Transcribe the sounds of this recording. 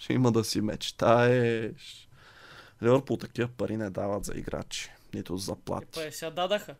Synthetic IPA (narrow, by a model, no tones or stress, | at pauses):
ʃɛiməd̪ɐsimɛ̰t͡ʃt̪aɛʃ | lɛvəɾpot̪ɐkivəpɐɾʔinɛd̪avət̪zɐ̰ḭɡɾa̰t͡ʃi̥nit̪ʊzɐplˠa̰t̪iɛsʲad̪ad̪ɐxə